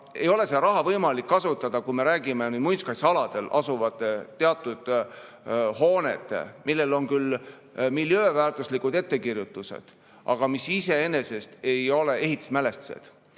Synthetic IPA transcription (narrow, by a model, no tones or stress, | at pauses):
e̞jo̞le̞sed̪ɑɾɑɦɑvɤjmɑlikːɑsut̪ːˑɑd̪̥ɑkujme̞ɾæːɡime̞nyːd̪̥mujnskɑjsɑlɑd̪̥e̞lʔɑ̰suvɑt̪ˑːet̪ːe̞ɑt̪ːˑud̪̥ | ho̞ːnḛt̪ːˑḛmilːe̞lo̞nkyl | milːjøːvæːrt̪uslikud̪e̞t̪ːe̞kirjut̪ːˑuse̞̰d̪̥ | ʔɑ̰ɡ̥ɑmisise̞e̞ne̞se̞st̪e̞jo̞le̞ʔe̞ɦit̪ːˑi̥smæle̞st̪sḛd̪̥